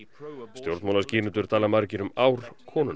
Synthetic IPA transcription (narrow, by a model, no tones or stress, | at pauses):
st̪jowɾt̪mawlasciːnʏt̪ʏɾ̥t̪ʰaːlamaɾcɪɾʏmawɾ̥kʰɔːnʏn